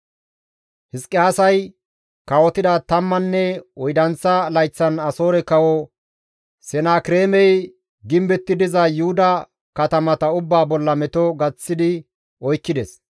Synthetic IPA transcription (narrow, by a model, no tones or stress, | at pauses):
hɪskʼːɪaːsɐj | kɐwɔt̪ɪd̪ɐt̪ɐmːɐnːɛɔjd̪ɐnt͡sːɐlɐjt͡sːɐnɐso̞ːɾɛkɐwɔ | sɛnaːkɪɾeːmɛj | ɡɪmbɛt̪ːɪd̪ɪzɐjʊhʊd̪ɐ | kɐt̪ɐmɐt̪ɐʊbːaːbɔlːɐmɛt̪ɔɡɐt͡sːɪd̪ɪ | ɔjkːɪd̪ɛs